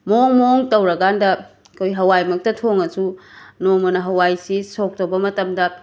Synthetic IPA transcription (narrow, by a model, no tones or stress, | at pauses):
moŋmoŋtɐwɾɐɡandɐ | kʰojɦɐwajmɐk̚tɐtʰoŋɐsunoŋmɐnɐɦɐwajsisok̚tɐwbɐmɐtɐmdɐ